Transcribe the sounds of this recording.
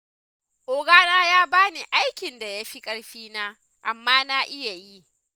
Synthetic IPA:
ʔoː˦ɡaː˦naː˦jaː˦baː˦ni˨ʔa˦jkʲɪ˨nda˨ja˦ɸi˦kʼɐ˦ɽɸiː˦naː˦ | ʔa˨mːaː˦na˦ʔɪ˦ja˨ji˦ʔ

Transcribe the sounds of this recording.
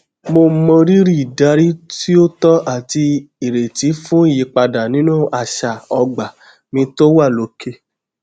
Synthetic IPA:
mo˧˦mɔ̃˧ɾi˦ɾi˦i˨da˨˧˦ɾi˦ti˦o˦tɔ˦ʔa˦˨ti˧ | i˨ɾe˨ti˨˦fũ˦i˦˨ji˨˧˦k͡pa˧da˨nĩ˨˦nũ˦˨ʔa˧˨ʃa˨ɔ˧ɡ͡ba˨ | mĩ˧to˦wa˦˨lo˨˦ke˦

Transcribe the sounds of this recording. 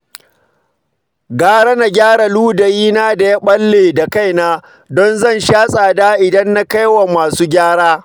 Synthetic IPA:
ɡaː˦ɾa˦na˨ɡʲaː˦ɽa˨luː˦da˨jiː˦naː˦da˨ja˦ɓɐ˦lːeː˨da˨ka˦˨jnaː˦ | dɔ˦nzɐ˦nʃaː˦sʼaː˨daː˦ʔɪ˨dɐ˦nːa˦ka˦jwa˨maː˨suː˦ɡʲaː˦ɽaː˦

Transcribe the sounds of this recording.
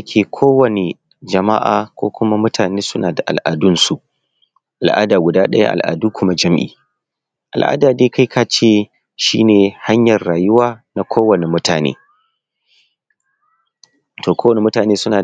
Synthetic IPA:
kʲʰeː˨kʰoː˦wɐ˨ne˨ | d͡ʒɐ˨ma̰˦ʔaː˨kʷo̰ː˦kʷʊ˦ma˦mʊ˦tʰaː˨neː˦sʊ˦naː˨da˨ʔa˨lʔaː˨dʊ˦nsu˨ʔ | ʔa˨lʔa̰ː˦daː˨ɡʷʊ˨daː˦ɗɐ˦ja̰˦ʔa̰˨lʔa̰ː˨duː˦kʷʰʊ˦ma˦d͡ʒɐ˦mʔḭː˨ | ʔa˨lʔa̰ː˦daː˨deː˦ka˦jkʰa˦t͡ʃeː˦ | ʃiː˦neː˨ha˦ɲjɐ˨rːaː˨jʊ˦waː˦na˨kʰʷoː˦wɐ˨ne˨mʊ˦taː˨nḛː˦ | tʰoː˨kʷoː˦wɐ˨ne˨mʊ˦taː˨neː˦sʊ˦naː˨

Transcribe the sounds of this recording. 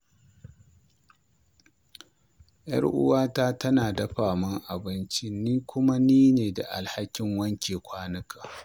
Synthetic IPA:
jɐ̰˦ɽʔʊ̰˦waː˦taː˦tɐ˦naː˨dɐ˦ɸaː˨mɐ˦ŋʔa˨bɪ˦nt͡ʃɪ˦niː˦kʷʊ˦ma˦niː˦neː˨da˨ʔa̰˨lha˦kʲɪ˨˦ŋwɐ˦ŋkʲeː˨kʷaː˦nɐ˦kʰa˨

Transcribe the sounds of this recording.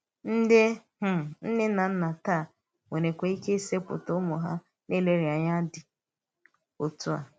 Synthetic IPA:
n̩˦dɪ˦h̩˦˨n̩˦dɪ˦na˨n̩˦na˨ta˦˨ | ŋʷe˨ne˨kʷe˨i˦ke˦se˦pʊ̰˨to˦mʊ˨ɦa̰˦ | ne˦˨le˦ɾi˨a˨ɲa˦dɪ˨ | o˨tu˦a̰˨

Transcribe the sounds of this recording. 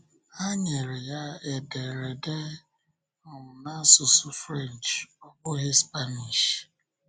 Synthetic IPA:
a˦ɲe˨ɾe˨ja˦e˨de˨ɾe˨de˦˨ | na˦sʊ˨sʊ˦fɾe˦˨nt͡ʃɔ˦kʊ˦ɦe˦spa˦ni˨ʃ

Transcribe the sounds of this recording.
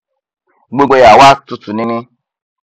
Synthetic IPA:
ɡ͡bo˦ɡ͡be˨ja˨wa˦tʊ˨tu˨nɪ˦nɪ˦

